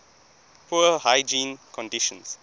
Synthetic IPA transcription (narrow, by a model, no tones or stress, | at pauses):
pʰuəhaɪd͡ʒĩːnkʰɔ̃ndɪʃə̃ns